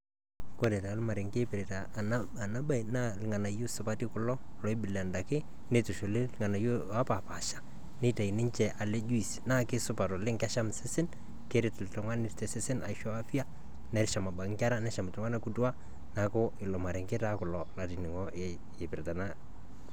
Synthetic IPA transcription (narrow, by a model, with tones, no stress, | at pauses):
ko˦ɾe˨ta˨˦lma˨ɾɪ˨ŋke˦pɪ˨ɾe˨ta˨n˦a˨na˦ba˦i˨na˦lɪ˨ŋa˨na˨jo˦sʊ˨pa˦ti˦kʊ˨˦lɔ˦ | lɔ˨˦ɪ˦bɪ˨la˨nda˨kɪ˦ | ne˦tʊ˨ʃo˨lɪ˦lɪ˦ŋa˨na˨jo˦a˦pa˨pa˨ʃḁ˦ | ne˦ta˨i˨nɪ˦ɲt͡ʃɛ˨ʔa˨le˦d͡ʒu˦i˨sna˦kɪ˦sʊ˦pa˨tɔ˨lɪ˦ŋka˦ʃa˦msɪ˦sɪ˦n | ke˦ɾɪ˦tltʊ˨ŋa˦nɪ˦tɛ˨sɪ˦sɪ˦na̰˨ʃɔ˦a˦fi˦a˦ | nɛ˨ɾʃa˨ma˨ba˨ŋ˦ka˦ɾa˦nɛ˦ʃa˨m˨tʊ˨ŋa˦na˦ku˦tu˦a˦ | na˨kʊ˦ɪ˨lɔ˨ma˨ɾɪ˨ŋke˦ta˦kʊ˨lɔ˨la˨ti˨nɪ˨ŋɔ˦ | ɪ˨pɪ˨ɾta˨na˦